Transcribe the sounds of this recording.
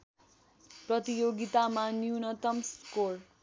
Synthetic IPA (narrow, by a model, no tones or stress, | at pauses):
prʌt̪ijoɡit̪amanjunʌt̪ʌmskor